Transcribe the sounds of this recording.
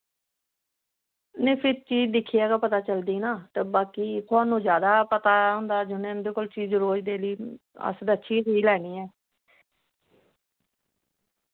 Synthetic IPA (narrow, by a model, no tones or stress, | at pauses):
nẽːpʰɪɾt͡ʃiːd͡ʒd̪ɪkʰːiːɛːkaːpət̪aːt͡ʃəld̪iːnaːt̪eːbaːkiːkʰaːnũːzjaːd̪aːpət̪aːɦʊ̃ːnd̪aːd͡ʒʊnẽːɪnd̪eːkoːlt͡ʃiːɾoːɾd̪eːliː | ə̰sd̪ətːʃʰiːɦiːlɛːniːɛː